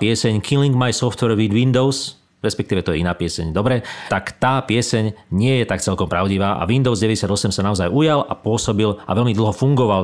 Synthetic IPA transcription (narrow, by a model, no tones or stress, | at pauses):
pɪɛsɛɲkʰiliŋɡmajsɔft̪ʋɛɾʋid̪ʋind̪ɔʊs | ɾɛspɛkt̪iːʋɛt̪ɔjɛinaːpɪɛsɛ̰ɲd̪ɔbɾɛt̪akt̪aːpɪɛsɛɲɲɪɛjɛt̪akt͡sɛlkɔmpɾaʊɟiʋaːʔa̰ʋind̪ɔʊzɟɛʋɛɟɛsɪad̪ɔsɛmsanaɔzajujalʔa̰pʊɔsɔbila̰ʋɛlmid̪l̩ˠɦɔfuŋɡɔʋal